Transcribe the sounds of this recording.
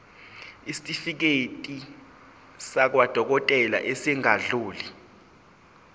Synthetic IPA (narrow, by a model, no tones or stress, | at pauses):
isi̥tʼifik̬etʼi | sak̬wad̥ʱɔk̬ɔtʼɛla̰ʔesɛŋaɮuːli